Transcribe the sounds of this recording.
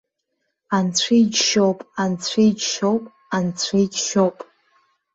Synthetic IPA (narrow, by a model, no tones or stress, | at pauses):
ant͡sʷʰijd͡ʒʃowpʼant͡ɕʷʰijd͡ʒʃowpʼ | ant͡sʷʰijd͡ʒʃowpʼ